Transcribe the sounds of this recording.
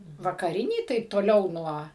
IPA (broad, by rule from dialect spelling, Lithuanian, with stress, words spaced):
ʋɐkɐˈrʲɪnʲiː ˈtɐɪp toːˈlʲɛʊ ˈnuɔ